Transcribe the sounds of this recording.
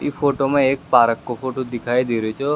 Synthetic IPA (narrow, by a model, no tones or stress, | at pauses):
ifoʈomãek̚paɾəkːofoʈod̪ikʰajd̪iɾt͡ʃʰe